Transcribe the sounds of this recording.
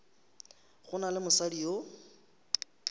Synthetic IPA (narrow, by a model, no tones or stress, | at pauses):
ɣʊnalɪmʊsadio